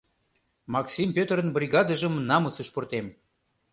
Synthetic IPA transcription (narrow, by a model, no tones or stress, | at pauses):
mɑksʲimpʲøt̪ɾə̆nbrʲiɣɑd̪ə̆ʒəmnɑməsəʃport̪em